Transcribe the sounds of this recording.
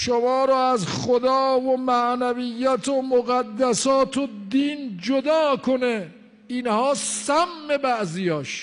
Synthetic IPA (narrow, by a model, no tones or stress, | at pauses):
ʃomɒːɾɔːæzχod̪ɒːvomæʔnævijːæt̪ʰomoɣæd̪ːæsɒːt̪ʰod̪iːnd͡ʒod̪ɒːkʰone | inhɒːsæmːe̞bæʔzijɒːʃ